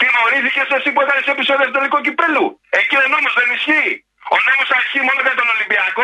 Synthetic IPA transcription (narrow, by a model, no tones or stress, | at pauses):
t̪imoɾiθicesesiput̪ɐnesepisoðist̪̬ot̪elikocipɾelue̞cionomozðenisçi | onomosɐisçimo̞noðet̪o̞no̞limbiɐko